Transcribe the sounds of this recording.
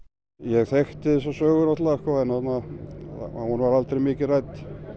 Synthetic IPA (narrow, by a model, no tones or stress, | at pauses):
jɛɣθɛxt̪ɪɪsɔsœːɣʏɾnɔht̪laɣɛhkɔθɛnaθat̪nːa̰ | hunvaɾalt̪ɾejmɪːcɪrajt̪